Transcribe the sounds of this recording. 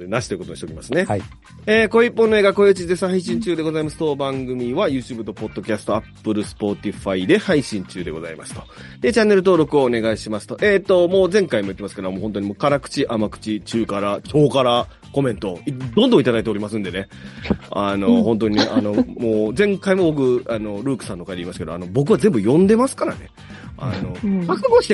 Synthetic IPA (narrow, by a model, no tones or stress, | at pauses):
naɕi̥t̪o̞jɯkot̪oɕit̪kʲimasɨne | eːko̞ipːõ̞nːo̞eːɡako̞jeɯt͡ɕizesãɦaiɕ̬ĩɲt͡ɕɨːd̪e̞ɡo̞zaimasɨ̥t̪o̞bãŋɡɯ̟mʲiβajɯ̟ːt͡ɕɨːbɯ̟t̪o̞po̞d̪ːo̞kʲasɨ̥t̪o̞apːɯ̟ɾɯ̟sɨ̥po̞t̪ʲiɸaid̪e̞haiɕĩɲ̟t͡ɕɨːd̪e̞ɡo̞za̰ḭma̰sɨ̥t̪o̞d̪e̞t͡ɕanːe̞ɾɯ̟t̪o̞ːɾo̞kɯ̟o̞ːne̞ɡaiɕimasɨ̥t̪o̞ʔeːt̪ːo̞mo̞ːzẽ̞ŋkaimoɯ̟t̪ːemasked̪mohont̪oɲ̟imo̞ːkaɾakɯ̟̥t͡ɕiʔamakɯ̟̥t͡ɕit͡ɕɨːkaɾakʲʰo̞ːkaɾa | ko̞mẽ̞nt̪o̞id̪õnd̪õit̪ad̪ait̪eo̞ɾʲimasɨ̃nd̪e̞ne̞ | ano̞ɦõnt̪̬o̞ɲ̟ineʔano̞moːd͡zẽ̞ŋkaimo̞bo̞k̬ɯ̟ano̞ɾɯ̟ːkɯ̟̥sãnt̪okaid̪eiːmasɨ̥ke̞d̪oa̰no̞bo̞k̬ɯ̟βazẽ̞mbɯ̟jõ̞nd̪e̞masɨ̥kaɾa̰ne̞ | a̰no̞asɨɡoɕi̥t̪